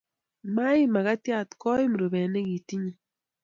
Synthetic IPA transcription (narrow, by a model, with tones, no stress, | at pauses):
ma˦i˦ma˨ɣa˦tja˦˨tkɔ˦i˦m˨ɾo˨bɛ˨ne˦ɡi˨ti˦ɲi˦